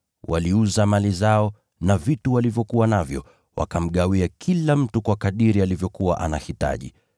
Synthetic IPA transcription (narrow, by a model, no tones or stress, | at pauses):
wʔa̰liuzamalizaɔ | navituwalivjɔkuwanavjɔ̰ | wʔa̰kam̩ɠawiakʰilam̩tukwakaɗiɾialivjɔkuwaʔana̰hita̰ʄḭ